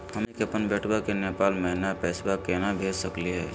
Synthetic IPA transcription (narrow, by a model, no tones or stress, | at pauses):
hɐmekɐpənbɛːʈʰbakeneːpaːlmɐɦnapɛːsbakɛːnabʱeːd͡ʒsɐkliɦɛː